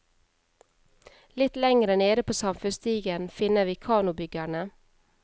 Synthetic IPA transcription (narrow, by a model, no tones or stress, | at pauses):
lɪt̪lɛŋɾəneːd̪əpʰoːsɑmfʉnst̪ʰiːɡənfɪnəʋiːkʰɑːnʊbʏɡæɳə